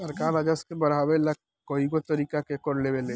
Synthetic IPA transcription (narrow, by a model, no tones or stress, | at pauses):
səɾkaːɾəd͡ʒəskebɐɾawelɐk | koikot̪ɐɾiːkakekoɾleʋele